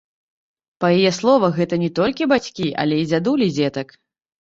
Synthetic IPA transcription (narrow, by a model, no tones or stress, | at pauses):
pɐjajɛslˠɔvɐɣɛt̪ɐnʲɛt̪ɔlʲkʲibat͡sʲkʲiʔa̰lʲɛid͡zʲad̪ulʲid͡zʲɛt̪ɐk